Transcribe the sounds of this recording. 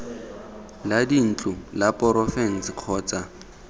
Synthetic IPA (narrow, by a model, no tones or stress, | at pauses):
ladin̩t͡ɬʼʊlapʼɔɾɔfɛn̩sq͡χʰɔːt͡sʼa